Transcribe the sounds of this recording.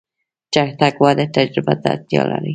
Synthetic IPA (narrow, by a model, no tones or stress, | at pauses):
d͡ʒakt̪akwad̪et̪ad͡ʒɾɪbad̪a̰t̪jɑ̰la̰ɾi